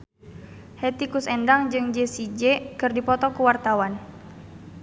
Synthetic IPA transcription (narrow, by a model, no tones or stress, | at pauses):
hɛt̪ikusɛndaŋd͡ʒɨŋd͡ʒesid͡ʒɛkɨrdipɔt̪ɔkuwart̪awan